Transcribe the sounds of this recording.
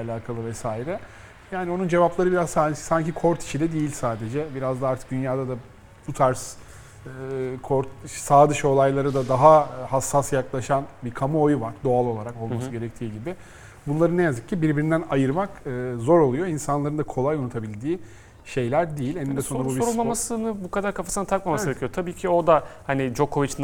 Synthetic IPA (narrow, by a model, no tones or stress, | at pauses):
alʲaːkʰalˠɯvɛsaːiɾɛ | jaːnio̞nund͡ʒe̞vaplˠaɾɯbiɾazsaːd̪e̥saɲcikʰo̞ɾt̪ʰi̥ʃid̪ɛd̪ejilʲsaːd̪e̞d͡ʒɛbiɾazd̪aaɾt̪ʰɯ̥k̚d̪ynjaːd̪ad̪a | but̪ʰaɾs | kʰoɾt̪saːd̪ɯʃo̞lˠajlˠaɾɯd̪ad̪aɦahasːasjaklˠaʃanbikʰamuojuvaɾd̪o̞alˠo̞lˠaɾako̞lˠmasɯɯɟe̞ɾɛc̚t̪ʰiːɟibɪ | bunlˠaɾɯnːɛjazɯk̚cʰːibiɾbiɾind̪ænajɯɾmakɯːzo̞ɾo̞lˠujo̞insanlˠaɾɯnd̪akʰo̞lˠajonut̪ʰabilʲd̪iː | ʃe̞jlʲæɾd̪ejilʲenind̪ɛso̞nɾabubiulˠmamasɯnɯbukad̪aɾkʰafasɯnat̪ʰak̚mamasɯbʰʲijt̪ʰabiːcʰio̞d̪ahanɪd͡ʒo̞kʰo̞vit͡ʃn